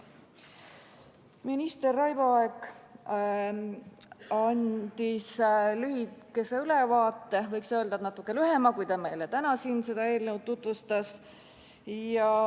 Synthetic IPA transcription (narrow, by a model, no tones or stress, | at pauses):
minist̪e̞rːɑjvoɑeɡ | ɑnd̪̥islyɦike̞seylevɑːt̪ːe̞vɤjksø̞ːld̪ɑt̪nɑt̪ːˑukːˑe̞lyɦe̞mɑkujt̪ɑme̞jlet̪ænɑsiːnse̞d̪̥ɑe̞ːlnew̚t̪ːut̪ˑvust̪ɑs | jɑ